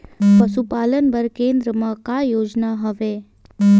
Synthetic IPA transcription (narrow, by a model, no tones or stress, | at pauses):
pəʃupaːlənʋəɾkeːnd̪ɾəmãkajoːd͡ʒnaɦəʋe